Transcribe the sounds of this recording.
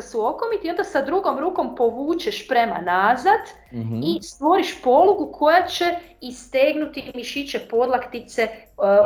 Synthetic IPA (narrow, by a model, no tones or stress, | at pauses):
suo̞komit̪io̞nd̪asad̪ɾuɡo̞mɾuːko̞mpo̞ʋuːt͡ʃeʃpɾe̞ma̰nazad̪ | ist̪ʋo̞ɾiʃpo̞luɡukʰo̞jat͡ʃe | ist̪eɡnut̪imiʃit͡ʃepo̞d̪lˠakt̪it̪se̞